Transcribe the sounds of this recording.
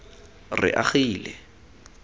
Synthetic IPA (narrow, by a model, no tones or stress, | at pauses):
rɪ̰ʔaχiːlɛ